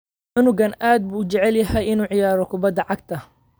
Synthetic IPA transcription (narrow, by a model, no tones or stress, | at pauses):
ʊnʊɡɐnʔaːd̪̚buːd͡ʒɐʕɛljɐɦɛjɪnuːʕɪjaːɾɔkʰʊbɐd̪ɐʕɑɡ̚t̪ʰɐ